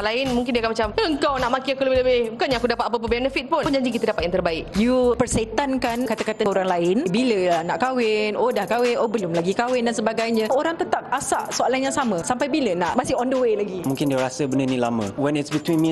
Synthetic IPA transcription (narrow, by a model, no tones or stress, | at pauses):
laɪnmũŋk̬ɪndiakanmat͡ʃaməəŋkawnaʔmakiakuləbɪləbɪhkaɲãakudapat̪̚apəp̬əbɛnəfit̪̚pʊnd͡ʒaɲd͡ʒik̬it̪ədapat̪jaŋt̪ərbaɪkjupərsat̪ankankat̪akat̪əoɾaŋlaɪnbiləlanaʔkawɪnodahkawɪnʔobəlʊmlaɡikawɪndansəbaɡajɲə̃ʔoɾaŋt̪ət̪ap̚asaʔsoalanjaŋsaməsampajbilənaʔmasiɔndəwelaɡimũŋkɪndiəɾasəbənənĩlamə̰̃wɛ̃nɪtsbit̪winmĩ